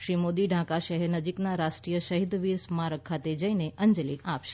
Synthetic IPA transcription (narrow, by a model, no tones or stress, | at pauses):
ʃɾimod̪iɖʱãkaʃəɦɛɾnəd͡ʒiknaɾaʃʈɾijəʃəɦid̪ʋiɾsmãɾəkʰat̪ed͡ʒəineʔəɲd͡ʒliʔapʃe̥